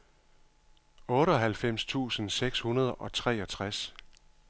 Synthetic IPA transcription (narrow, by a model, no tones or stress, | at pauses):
ɔ̽ːɾəɒ̽ɦælfem̰st͡sʰṵːsən̩seɡ̥shunɐð̞ˠʔɒ̽t͡sʰʁɛ̰ːɒ̽t͡sʰʁas